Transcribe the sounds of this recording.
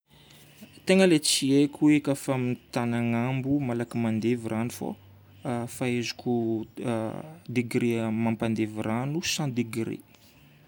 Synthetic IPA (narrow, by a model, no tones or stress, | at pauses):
t̪eŋəlet͡siekʲʰuekafamit̪anaŋambumalakimand̪evirʔanufo̰ | faezu̥kʲu | d̪iɡɾemampand̪eviranusãd̪iɡɾḛ